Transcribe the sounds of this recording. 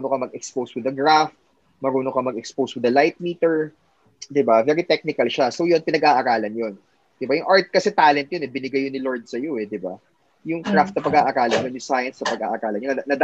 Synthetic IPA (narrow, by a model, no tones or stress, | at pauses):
unokɐmɐɡɛkspowswɪd̪ɐɡɹaft̪̚ | mɐɾuːnokɐmɐɡɛkspowswɪd̪ɐlajt̪̚miːt̪ɛɹ | d̪ɪbavɛɾit̪ɛk̚nɪkɐlʃasowjonpɪnɐɡʔaʔɐɾaːlɐnjon | d̪̥ɪbajʊŋʔaɹt̪̚kɐsɛt̪aːlɛnt̪jonɛbɪnɪɡajonɪloɹd̪̚sɐjo̞ɛd̪ɪba̰ | jʊŋkɾaft̪̚ɐpɐɡaʔɐɾaːlɐnjonjʊŋsajɐnsɐpɐɡa̰ːʔɐɾaːlɐnonnɐd̪